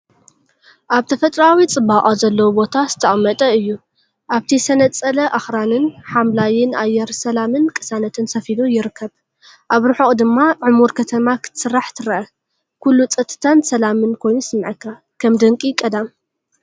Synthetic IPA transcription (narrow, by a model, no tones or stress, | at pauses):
ʔaβt̪ʰɐfɐt̪ʼɾawit͡sʼɨbaʔʼazɐlːɐwubo̞t̪ʰazɨ̥t̪ʰɐʔʼɐmːɐt̪ʼɐɨjːu | ʔaβt̪ʰisɐnɐt͡sʼɐlɐʔaxɾanɨnħamlajɪnʔajɛɾsɐlamɨnkʼɨ̥sanɐt̪ʰɨnsɐfid̪ujɪɾɨkʰːɐβ | ʔaβɾɨħoχʼd̪ɨmːaʕumuɾkʰɐt̪ʰɐmakʰɨ̥t̪ʰɨ̥sɨrːaħt̪ʰɨɾɐʔɐ | kʰulːut͡sʼɐt̪ʰɨ̥t̪ʰansɐlamɨnkʰo̞jnusɨmːʕɨkːa | kʰɐmd̪ɐŋkʼikʼɐd̪am